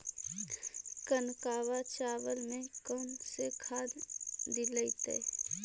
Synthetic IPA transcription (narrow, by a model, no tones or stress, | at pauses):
kənkaːʋat͡ʃaːʋəlmẽkəːnsekʰaːd̪d̪iləit̪ḛː